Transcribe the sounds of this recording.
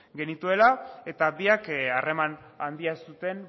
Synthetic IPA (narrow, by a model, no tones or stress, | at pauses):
ɡe̞nit̪ue̞lae̞t̪abiakare̞man | and̪iasut̪e̞n